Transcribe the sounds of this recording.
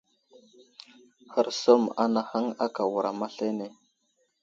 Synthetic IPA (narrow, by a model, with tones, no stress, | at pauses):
xə˨ɾso˦ma̰˦na˨ha˦ŋa˦ka˨wu˨ɾʔa˨ma˦ɬe˦ne˨